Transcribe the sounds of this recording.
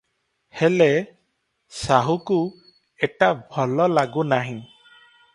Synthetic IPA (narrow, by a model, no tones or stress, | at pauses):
hɛle | saɦuku | ɛʈabʱɔlɔlaɡunaɦĩ